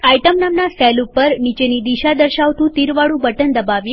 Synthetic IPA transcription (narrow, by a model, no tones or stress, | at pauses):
ajʈəmnamnasɛlupəɾnit͡ʃenid̪iʃad̪əɾʃaʋt̪ũt̪iɾʋaɽũbəʈənd̪əbaʋje